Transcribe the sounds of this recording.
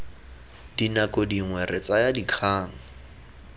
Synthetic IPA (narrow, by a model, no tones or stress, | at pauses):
dinakodiŋwɛrɪt͡sajadikʰaːŋ̩